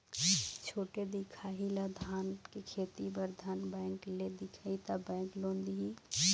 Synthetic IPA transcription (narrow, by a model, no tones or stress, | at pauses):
t͡ʃʰoːʈed̪ɪkʰaːɦilad̪ʱaːnkekʰeːt̪ibəɾd̪ʱaːnbɛ̃ːŋkled̪ɪkʰait̪abɛ̃ːŋklõːnd̪iɦi